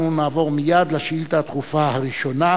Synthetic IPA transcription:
unaːvo̞ʁmijad̪laʃilt̪at̪χufahaʁiʃo̞na

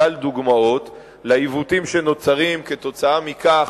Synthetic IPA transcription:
ald̪uɡmao̞t̪ | laivut̪imʃe̞no̞t͡saʁimke̞t̪o̞t͡saamikaχ

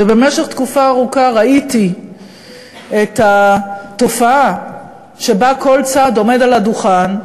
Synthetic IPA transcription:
ebe̞meʃeχt̪kufaːʁukaʁaiti | et̪at̪o̞faa | ʃe̞bako̞lt͡sado̞me̞daladuχan

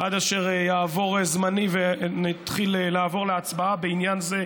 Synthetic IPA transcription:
ʔad̪aʃe̞ʁjaːvo̞ʁezmanivenat̪χilelaːvo̞ʁleat͡sbaabeinjanze̞

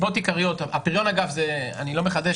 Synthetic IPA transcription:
bo̞t̪ikaʁijo̞t̪aapiʁjo̞naɡafzea̰nilo̞meχad̪e

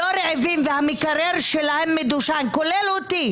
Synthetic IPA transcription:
oɾeʕevimvehamikaɾeɾʃelahemːed̪uʃankolelot̪i

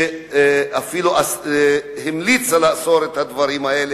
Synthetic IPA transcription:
afiluʔashimlit͡salasoɾet̪had̪vaɾimaele

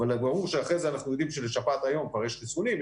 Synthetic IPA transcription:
albaʁuʁʃeaχʁezeanaχnujo̞d̪imʃeleʃapat̪ajo̞mkvaʁjɛʃχisonim

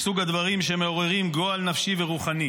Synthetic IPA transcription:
suɡad̪vaʁimʃeme̞o̞ʁe̞ʁimɡo̞alnafʃiveʁuχani

